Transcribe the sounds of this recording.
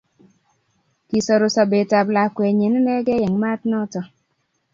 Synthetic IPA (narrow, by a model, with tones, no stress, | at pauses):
ki˨sɔ˨ɾo˨sɔ˨be˨ta˨bla˨kwe˨ɲe˨n˦nɛ˦ɡɛ˦jɛ˨ŋma˦tnɔ˦tɔ˨